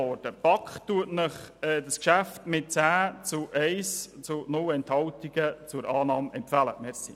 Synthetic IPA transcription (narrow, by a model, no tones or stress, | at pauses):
ɔɾd̥əpɑkχtuətnəχɛːdəskʃæftmɪt̚t͡sæːt͡sʊʔɛɪst͡sʊnʊlɛnthɑwtiɡ̥ət͡sʊɾɑːnɑːmɛmpfælə̰mɛɾsḭ